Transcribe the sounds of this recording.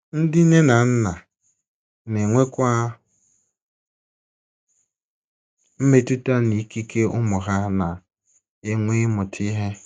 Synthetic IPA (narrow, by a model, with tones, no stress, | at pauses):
n̩˦dɪ˦ne˦na˨n̩˦na˨ | ne˨ŋʷe˦kʷa˦ | m̩˦me˦tu˦ta˦ni˨˦ki˦kʰe˦ʊ̰˦mʊ˨ɦa˦na˨ | e˦ŋʷe˦mʊ˨tʰi˦ɦe˦